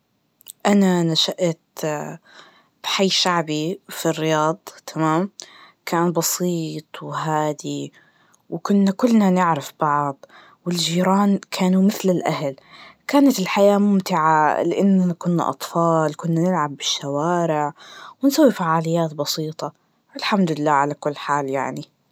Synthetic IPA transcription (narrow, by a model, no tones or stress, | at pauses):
ʔananaʃaʔt̪ | b̥ħajːʃaʕbifirːɪjɑːd̪ˤt̪ʰamaːm | kʰaːnbɑsiːt̪ˤwɦaːd̪i | wkʊnːakʊlːnanɪʕɾɪfbɑʕd̪ˤ | wɪld͡ʒiːɾaːnkʰaːnumɪθlɪlʔahalkaːnat̪ɪlħajaːmʊmt̪ɪʕalɪʔɪnːaakʊnːa̰ʔɑ̰t̪ˤfɑːlkʊnːanɪlʕabːɪʃːawaːɾɪʕwɪnsawːifaʕaːlɪjːaːt̪bɑsiːt̪ˤɑ | ʔɪlħamd̪ɪlːaːʕalakʊlːħaːljaʕni